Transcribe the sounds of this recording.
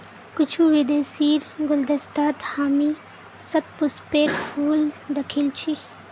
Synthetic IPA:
kʊt͡ʃʰuʋid̪eːsiːɾɡʊld̪ɐst̪aːt̪haːmi | sɐt̪̚pʊspeːʈpʰuːld̪ɐkʰilt͡ʃʰi

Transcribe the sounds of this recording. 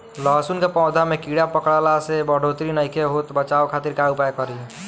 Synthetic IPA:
ləɦsunkepɔ̃ʊd̪ʱamekiɽapəkɽalasebəɽ̤ʱot̪ɾinəjkʰeɦot̪bət͡ʃaokʰat̪iɾkaɽupajkəɾi

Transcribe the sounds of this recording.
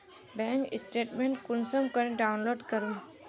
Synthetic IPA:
bɛ̃ːŋkɪsʈeːʈmẽɳʈkʊnsəmkəɾẽɖaʊnloːɖkəɾũ

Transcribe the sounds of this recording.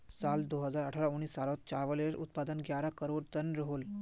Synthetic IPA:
sald̪oɦəd͡zaɾəʈʰaɾauɳ̃ːiːsːaɾot̪̚t͡ɕaʋəleeɾʔṵt̪̚pad̪ənɡjaɾakəɾoɽt̪ənɾəɦol

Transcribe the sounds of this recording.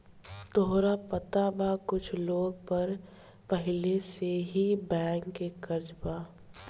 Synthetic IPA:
t̪oɦɾapət̪abakʊt͡ʃʰloːɡ̚pɐɾ | pəɦɪleseɦibɛ̃ːŋkːekɐɾd͡ʒbaː

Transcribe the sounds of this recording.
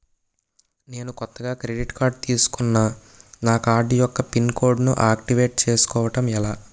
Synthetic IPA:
ne̞ːnukɔt̪ːɐɡaːkɾeɖiʈkaːɾɖ̚t̪iːsu̥kunːaː | naːkaːɖijɔkːɐpinkoːɾɖnṵʔaːk̚ʈiʋe̞ːʈ̚t͡ʃe̞ːsu̥kɔːʋɐʈɐmɛlaː

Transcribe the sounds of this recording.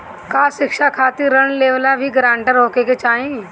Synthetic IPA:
kaːʃɪkʂakʰaːt̪iɾəɳleːʋlabʱiɡɾãːɳʈəɾoːkeket͡ʃaːɦĩ

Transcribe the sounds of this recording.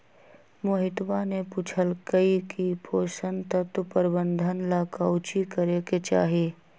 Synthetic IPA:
moɦɪt̪banepuːt͡ʃʰəlkəikipʰoːsənt̪ət̪pəɾɪbə̃nd̪ʱənlaːkaːwt͡ʃikəɾeket͡ʃa̰ːɦeː

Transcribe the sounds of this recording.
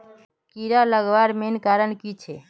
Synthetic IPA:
kiɾaləɡʋaɾmenkaɾənkit͡ʃʰe

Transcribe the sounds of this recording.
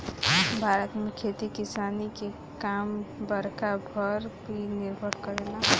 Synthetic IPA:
bʱaɾət̪mekʰet̪ikisanike | kambəɾkabʱəɾbʱiniɾbʱəɾkəɾela

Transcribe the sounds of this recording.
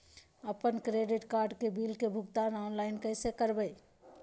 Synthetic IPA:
əpənkɾeɖɪʈkaːɾɖkebiːlkebʱʊɡt̪aːnaːnlaːɪnkəɪsekəɾbəi

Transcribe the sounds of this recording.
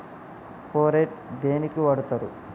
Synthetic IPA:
poːɾeʈd̪eːnikiʋɐɽut̪ɐɾu

